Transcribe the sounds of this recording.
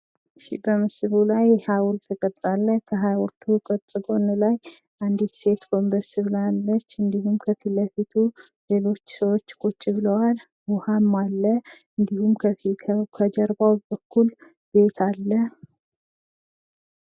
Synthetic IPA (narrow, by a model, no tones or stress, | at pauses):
ʃḭbəmɨsɨβulajhawult̪ʰəkʼət͡s̪ʼalːəkʰəɦajwɔɾt̪ʰukʼət̪ʼɨbonɨlaj | ʔand̪it̪se̞t̪kʰo̞mbəɾsɨβlalːət͡ʃːɨnd̪ihumkʰəfiləfit̪ʰu | le̞lo̞t͡ʃːsəwo̞t͡ʃːkʰʼut͡ʃʼːɪβɨləwal | wɔhamːalːəɨnd̪ihumkʰəfikʰəd͡ʒəɾbawbəkʰːul | be̞t̪ʰalːə